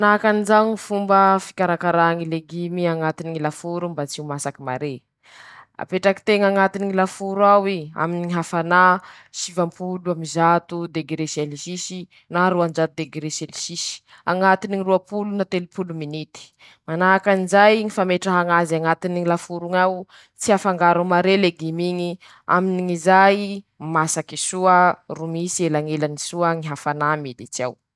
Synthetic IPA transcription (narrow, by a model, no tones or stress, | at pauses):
manakanizaŋifumbəfi̥kʲaɾakaɾaŋileɡimiaŋat̪iniŋilafuɾumbat͡siumasakima̰ɾe | a̰peʈ͡ʂaki̥t̪eŋaŋat̪iniŋilafuɾawia̰miniɦafana | sivampuluamizat̪ud̪eɡɾeselisisi | naɾuand͡ʒat̪ud̪eɡɾeselisisi̥ | aŋat̪iniŋiruapulunat̪elupuluminit̪i̥ | manaakanizajŋifameʈ͡ʂaɦaŋazaŋat̪iniŋilafuɾuŋaw | t͡siafaŋɡaɾumaɾeleɡimiŋi | a̰miniŋizaj | masakisuərumisielaŋelanisuəŋiɦafanamid̪it͡sia̰w